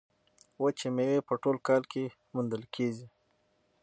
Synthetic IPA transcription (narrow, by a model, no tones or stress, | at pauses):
wət͡ʃemewepəʈolkɑlkʰe | mund̪əlkʰezi